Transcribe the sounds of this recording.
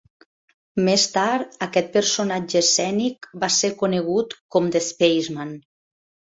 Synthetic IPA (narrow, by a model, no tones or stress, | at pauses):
mest̪aɾɾəkɛt̪̚pəɾsonad͡ʒəsɛnikbaseɾkuneɣ̞ut̪kɔmd̪espejzman